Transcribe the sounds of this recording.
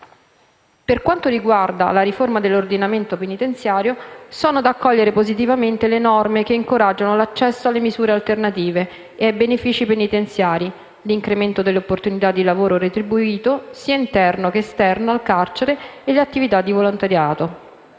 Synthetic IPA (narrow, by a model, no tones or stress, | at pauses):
perkwant̪oɾiɡward̪a̰laɾiformad̪elːord̪inament̪openit̪ent̪sjaːɾjosoːnod̪aːkːɔʎːeɾepozit̪̬ivament̪elenɔrmekeiŋkoɾad͡ʒːanolat͡ʃːɛsːoalːemizuːɾealt̪ernat̪iːve | eajbenefiːt͡ʃipenit̪ent̪sjaːɾi | liŋkɾement̪od̪elːeopːort̪unit̪ad̪ːilavoːɾoɾet̪ɾibuiːt̪osiːaint̪ɛrnokeːst̪ɛrnoalkart͡ʃeɾeːleat̪ːivit̪ad̪ːivolont̪aɾjaːt̪o